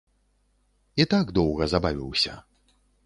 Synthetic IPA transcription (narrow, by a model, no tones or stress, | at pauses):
it̪aɡd̪ɔwɣɐzabavʲiwsʲɐ̰